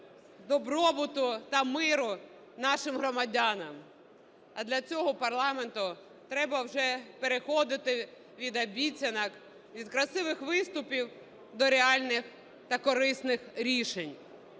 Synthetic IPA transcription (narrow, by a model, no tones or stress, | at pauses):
d̪ɔbɾɔbʊt̪ʊt̪ɐmɪɾʊ | nɑʃɪmɦɾɔmɐdʲanɐm | ɐd̪lʲɐt͡sʲɔɦɔpɐrlˠɑment̪ʊ | t̪ɾɛbɐwʒɛpeɾexɔd̪ɪt̪ɪ | ʋʲid̪ɐbʲit͡sʲɐnɐk | ʋʲid̪kɾɐsɪʋɪxʋɪst̪ʊpʲiw | d̪ɔɾeɑlʲnɪx | t̪ɐkɔɾɪsnɪxɾʲiʃenʲ